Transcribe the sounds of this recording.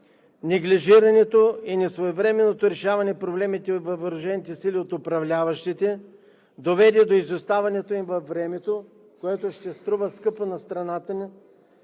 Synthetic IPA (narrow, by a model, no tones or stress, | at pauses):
nɛɡliʒiɾɐnɛt̪oinɛsvoɛvɾɛmɛnːot̪oɾɛʃavɐnɛpɾoblɛmit̪ɛvɐvɐɾʊʒɛnit̪ɛsiliot̪ʊpɾɐvlʲavɐʃt̪it̪ɛ | d̪ovɛd̪ɛd̪oizvɛst̪avɐnɛt̪oimvɐfɾɛmɛt̪o | koɛt̪oʃt̪ɛst̪ɾuvəskɤponɐst̪ɾɐnat̪əni